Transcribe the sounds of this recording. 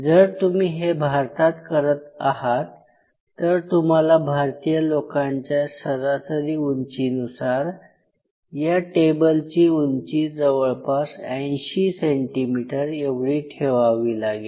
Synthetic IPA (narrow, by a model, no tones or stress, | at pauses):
d͡zəɾt̪um̤iːɦebʱaɾt̪at̪kəɾət̪a̰ɦat̪ː | əɾt̪um̤alabʱaɾt̪ijəlokaɲt͡ɕjasəɾasəɾiːuɲt͡ɕinusaɾ | jaʈebəlt͡ɕiːuɲt͡ɕiːd͡zəʋəɭpasə̃jɕiːseɳʈimiʈəɾeʋɽiːʈʰeʋaʋiːlaɡiː